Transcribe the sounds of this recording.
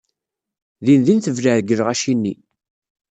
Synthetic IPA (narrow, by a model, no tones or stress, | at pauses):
ðinðinθəvləʕðɡəɾʁæʃinːi